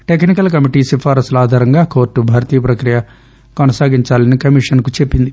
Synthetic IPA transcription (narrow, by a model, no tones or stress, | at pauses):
ʈek̬nik̬ɐlkɐmiʈiːsifʰaːɾɐslaːd̪ʱaːɾɐŋɡaːko̞ːɾʈːubʱaːɾɐt̪iːjɐpɾɐkɾijɐ | kɔnɐsaːɡiɲt͡ʃaːlɐnikɐmiʂɐnkut͡ʃe̞pːind̪i